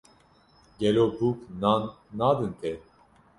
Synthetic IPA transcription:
ɡɛlobuk | nad̪ɨnt̪ʰɛ

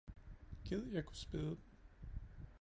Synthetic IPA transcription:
ɡ̥eð̰ˠjɑɪkʰu̥sb̥eðˠəd̥n̩

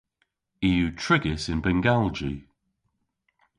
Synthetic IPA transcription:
iːjʉːtʰɹ̥ɪɡɪsɪ̃nbɛ̃ŋɡalˠd͡ʒḭ

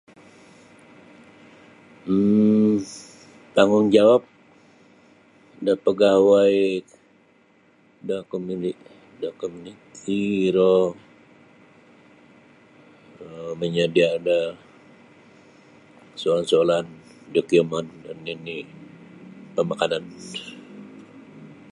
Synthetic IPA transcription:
t̪aŋuŋd͡ʒawap̚ | dapəɡawaj | dakomini | dakomunitʰiɾo | əməɲadiada | soolansolan | dokiəmandanini | pəmakanan

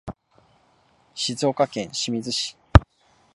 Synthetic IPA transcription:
ɕizo̞ːkakẽ̞ɰ̃ɕimʲizɨɕi̥

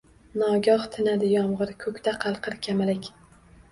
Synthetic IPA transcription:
nɒɡʲɒht̪ʰɪnad̪ɪjɒmʁɨɾkʰɵkʲt̪aqʰɑlˠqʰɨɾkʲʰamalɪkʲ

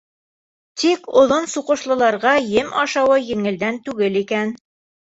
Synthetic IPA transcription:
t̪ikŏðonsuqŏʃlˠɤ̆lˠɑɾʁɑjɘmɑʃɑwɤjɘ̆ŋɘ̆ld̪ænt̪ʉɡɘlikæn

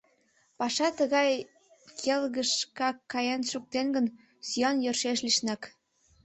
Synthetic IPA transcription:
pɑʃɑt̪əɣɑj | kʰelɣəʃkɑkːɑjɑnʃuk̚t̪enɡən | syɑnjørʃeʃliʃnɑk

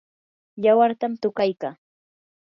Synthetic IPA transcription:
jawaɾt̪amt̪ʊkajkaː

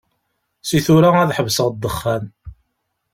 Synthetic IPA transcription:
siθuɾaæðħəvsəʁd̪ːəχːæn

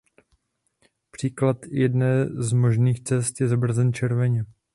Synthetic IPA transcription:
pr̥iːklat̪jɛdnɛːzmo̞ʒniːxt͡sɛst̪jɛzabr̩zɛnt͡ʃɛɾvɛɲɛ

